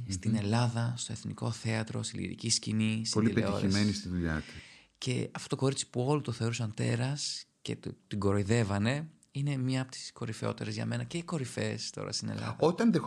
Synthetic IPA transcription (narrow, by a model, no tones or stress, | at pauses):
st̪ine̞lɐðɐst̪o̞eθniko̞θe̞ɐt̪ɾo̞̰st̪ilḭɾḭciscinispoliileet̪io̰ɾimenist̪iðuʎɐt̪i̥ | ce̞̰ɐft̪o̞t̪o̞ko̞ɾit͡si̥puo̞lut̪oθe̞o̞ɾusɐnt̪e̞ɾɐsce̞̰t̪t̪iɡo̞ɾoiðe̞vɐne̞ | ine̞mɲɐːpot̪i̥sko̞ɾifeo̞̰t̪e̞ɾezʝɐ̰me̞nɐce̞iko̞ɾife̞st̪o̞̰ɾɐ̰st̪ine̞̰lɐ̰ðɐot̪ɐnðe